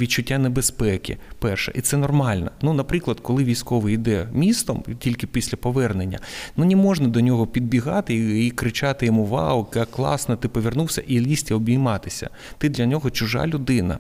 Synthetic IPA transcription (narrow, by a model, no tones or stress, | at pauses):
ʋʲit͡ʃʊtʲːanebespɛkʲɪ̰pɛrʃɛ̰ʔit̪sɛnɔrmɑlʲnɐnunɐpɾɪklˠɐd̪kɔlˠɪʋʲijsʲkɔʋɪjd̪ɛmʲist̪ɔmtʲilʲkɪpʲisʲlʲɐpɔʋɛrnenʲːɐ̰nunʲɪmɔʐnɐd̪ɔnʲɔɦɔpʲid̪̚bʲiɦɑt̪ɪikɾɪt͡ʃat̪ɪjɔmuʋɑ̰wkjakːlˠɑ̰snɐt̪ɪpɔʋʲirnuwsʲɐ̰ʔilʲisʲtʲiɔbʲijmɑt̪ɪsʲɐ̰ | t̪ɪd̪lʲɐnʲɔɦɔt͡ʃʊʒɑ̰lʲʊd̪ɪnɐ̰